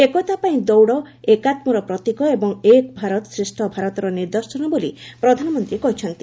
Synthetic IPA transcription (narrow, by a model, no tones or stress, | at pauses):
ekɔt̪apaĩd̪ɔwɽɔ | ekat̪mɔɾɔpɾɔt̪ikɔebɔŋekbʱaɾɔt̪ɔsɾisʈʰɔbʱaɾɔt̪ɔɾɔniɾd̪ɔsɔnɔbolipɾɔd̪ʱanɔmɔnt̪ɾikɔɦit͡ʃʰɔnt̪i̥